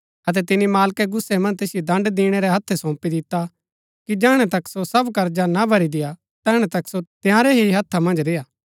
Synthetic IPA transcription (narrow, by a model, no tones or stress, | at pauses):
ɐt̪̬ɛt̪ɪnimaːlkeɡʊsːemɐ̃nd͡ʒt̪eːsɪjed̪ɐ̃ɳɖd̪iːɽ̃eɾɛɦɐt̪ʰːɛsɔ̃ːpid̪ɪt̪ːa | kid͡ʒaːɽ̃ɛt̪ɐksosɐbkɐɾd͡ʒanabʱɐɾid̪ɪja | t̪ɛːɽ̃ɛt̪ɐksot̪jãːɾɛɦiɦɐt̪ʰːamɐ̃nd͡ʒɾeːaː